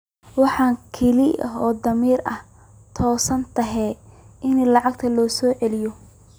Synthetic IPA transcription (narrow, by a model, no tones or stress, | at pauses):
wɑħɑːŋkʰɛlɪʔɐ̰ɦɔːd̪ɐmiːrɐh | t̪ʰɔːsɐnt̪ʰɐɦɛʔɪnlɑʕɑɡ̚t̪ʰɐlɔːsɔːʕɛlɪjɔ